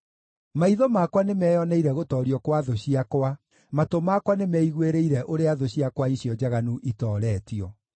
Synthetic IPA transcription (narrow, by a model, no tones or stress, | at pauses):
maiðɔmakwanemɛːjɔnɛiɾɛɣotɔːɾiɔkwaðoɕiakwa | matomakwanemɛiɣweɾeiɾɛʔoɾeaðoɕiakwaiɕiɔd͡ʑaɣanuʔitɔːɾɛːtiɔ